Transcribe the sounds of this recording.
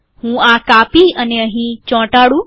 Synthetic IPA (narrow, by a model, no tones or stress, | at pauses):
hũːakaːpiəneəɦĩt͡ʃɔ̃ːʈaːɽũ